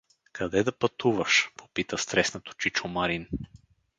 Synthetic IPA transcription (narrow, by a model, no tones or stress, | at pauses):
kɐd̪ɛd̪ɐpɐt̪uvəʃpo̥pit̪əst̪ɾɛsnot̪o̥t͡ʃit͡ʃomaɾin